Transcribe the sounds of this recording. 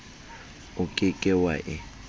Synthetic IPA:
ʊkʼɪkʼɪwaʔɪ

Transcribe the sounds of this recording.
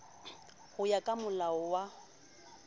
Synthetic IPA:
hʊjakʼamʊlaɔwa

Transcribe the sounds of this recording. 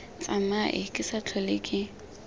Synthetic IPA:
t͡sʼamaʔɪkʼɪsat͡ɬʰɔlɪkʼɪ

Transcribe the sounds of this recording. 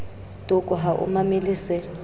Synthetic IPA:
tʼʊkʼʊɦaʔʊ̰mamɪlɪsɛ

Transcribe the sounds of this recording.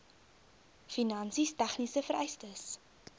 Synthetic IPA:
finɐnsistæχnisəfəɾɛjstəs

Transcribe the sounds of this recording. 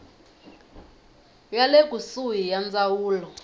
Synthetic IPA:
jalek̬usujijand͡zawuːlɔ

